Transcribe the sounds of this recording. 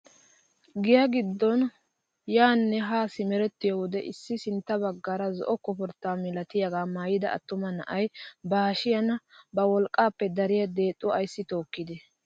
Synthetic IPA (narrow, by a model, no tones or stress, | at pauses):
ɡɪjɐɡɪd̪ːɔn | jaːnːɛɦaːsɪmɛɾɛt̪ːɪjɔwɔd̪ɛʔɪsːɪsɪnt̪ːɐbɐɡːaɾɐzɔ̰ʔɔkːɔpɔɾt̪ːaːmɪlɐt̪ɪjɐɡaːmaːjɪd̪ɐʔɐ̰t̪ːʊmɐnɐ̰ʔɐjbaːʃɪjɐnɐbɐwɔlkʼːaːpːɛd̪ɐɾɪjɐd̪e̞ːt̪ʼːʊɐjsːɪt̪o̞ːkːɪd̪ɛ